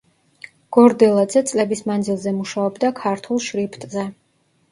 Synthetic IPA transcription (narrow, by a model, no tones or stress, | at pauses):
ɡ̥ɔɾd̪ɛlˠad̪zɛt̪sʼlɛbismand̪zilˠzɛmuʃaɔbd̪akʰaɾt̪ʰulˠʃɾipʰt̪ʼzɛ